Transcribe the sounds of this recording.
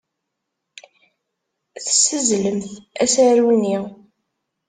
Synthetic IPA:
θə̥sːəzləmθæ̰sæɾunːi

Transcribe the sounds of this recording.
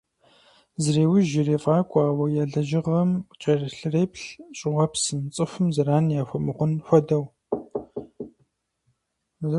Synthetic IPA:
zɨreːwɪʒɪreːfʼaːkʷʼɑːwɐjaːɮɐʒɪʁɐmt͡ʃʼɐrɬɨreːpɬɕʼɪʁʷɐpsɨnt͡sʼɨfʷʊmzɨɾaːnjaːxʷʊmɨχʷʊnxʷɔdɐw | z

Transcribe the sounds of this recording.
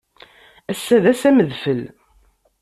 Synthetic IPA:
æsːæðæsæməðfəl

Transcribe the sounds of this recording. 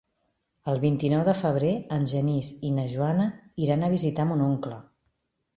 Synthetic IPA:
əlˠβint̪inɔwðəfəβɾeənʒənizinəʒuanəiɾanəβ̞izit̪amunuŋklə

